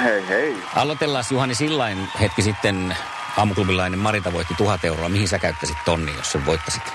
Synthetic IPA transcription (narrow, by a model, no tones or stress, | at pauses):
heihei | ʔɑlot̪elːɑːsjuhɑnisilːɑinhet̪kisit̪ːen | ɑːmuklupilɑinemmɑrint̪ɑʋoit̪ːit̪uhɑt̪euroɑmihinsækæyt̪ːæsit̪t̪onːḭːjjo̰sseʋʋoit̪ːɑsit̪